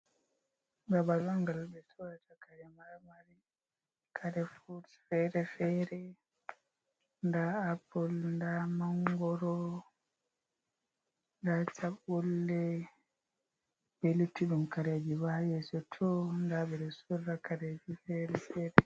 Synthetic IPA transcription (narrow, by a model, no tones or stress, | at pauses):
ŋɡabalaŋɡalbɛsɔɾatakaɾɛmaɾmaɾi | kʰaɾɛfuɾsfɛɾɛfɛɾɛ | ndaapːɔlndamaŋɡɔɾɔ | ndat͡ʃaɓːɔlːɛ | bɛlutːiɗumkaɾed͡ʒiwajɛsɔtʰɔndaɓɛdɛsurːakaɾed͡ʒifɛɾɛfɛɾɛ